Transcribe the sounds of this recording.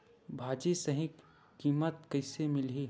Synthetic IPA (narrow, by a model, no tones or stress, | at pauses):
bʱaːd͡ʒisɐɦɪ̃ | kiːmət̪̚kɐɪsemɪlɦiː